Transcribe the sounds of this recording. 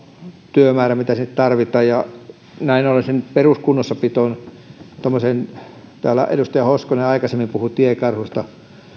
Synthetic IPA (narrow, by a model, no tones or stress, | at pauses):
t̪yømæːræmit̪æsnit̪t̪ɑrʋit̪ˑɑːjjɑ | næinolesenperuskunːosːɑpit̪on | t̪omːosent̪æːlːæ̰ʔḛdust̪ɑjɑhoskoneɑikɑsemːimpuhut̪iekɑrhust̪ɑ